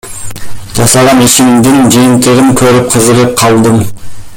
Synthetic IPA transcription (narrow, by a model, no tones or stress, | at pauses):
ʒ̥ɑsɑʁɑneʃɪmmd̪ɪŋd͡ʒijɪmt̪ɪɾɪmkʲʰɵɾɪp̚qʰəzəʁəp̚qʰɑlˠd̪əm